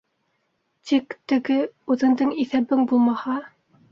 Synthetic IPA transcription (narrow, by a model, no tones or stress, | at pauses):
t̪ikt̪ɘ̆ɡɘʉðɘ̆nd̪ɤŋiθæβɘŋbulˠmɑhɑ